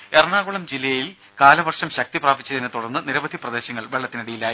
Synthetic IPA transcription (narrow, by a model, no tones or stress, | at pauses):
erɳaːɣuɭɐmd͡ʑilːɐjjil | kaːlɐbɐrʂɐmɕɐk̚t̪ipraːbit͡ɕːɐðinet̪uɽɐrnːɨniɾɐʋɐd̪ʱiprɐd̪e̞ːɕɐŋːɐɭʋe̞ɭːɐt̪ːinɐɽijilaːji